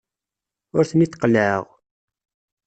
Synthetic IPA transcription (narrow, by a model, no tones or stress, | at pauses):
ʊɾθənit̪ːqələ̰ʁ